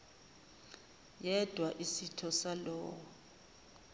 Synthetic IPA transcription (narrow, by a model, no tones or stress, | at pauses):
jɛd̥ʱwaʔisitʰɔsalɔːwɔ